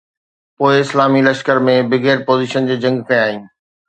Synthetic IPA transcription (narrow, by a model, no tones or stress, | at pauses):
poːɪɪslaːmilɐʃkəɾmẽbɪɡeːɾpoːziːʃənd͡ʑeːd͡ʑɐ̃ŋɡkʰɐ̃j̃aːɦiũː